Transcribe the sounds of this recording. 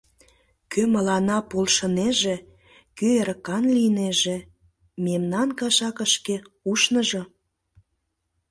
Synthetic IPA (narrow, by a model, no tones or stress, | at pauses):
køməlɑnɑpolʃəneʒe | køeɾəkɑnlineʒĕ | memnɑnkɑʃɑkəʃkeuʃnəʒɤ